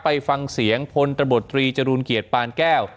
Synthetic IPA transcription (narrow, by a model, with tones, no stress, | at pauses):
pa˧jfa˧ŋsi˩˦əŋpʰo˧nt̪ɾa˧bo˨˩t̪ːɾiː˧t͡ɕa˧ɾuː˧nki˨˩ət̪̚paː˧nkɛː˥˩w